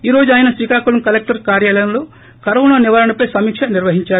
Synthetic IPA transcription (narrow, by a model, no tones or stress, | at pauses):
iːɾo̞ːd͡ʒuaːjɐnɐsʋiːkaːkulɐmkɐlek̚ʈɐɾkaːɾjaːlɐjɐmlo̞ː | kɐɾɐʋɳoːniʋaːɾɐnɐpɐjsɐmiːkʂɐniɾʋɐɦiɲt͡ʃaːɾu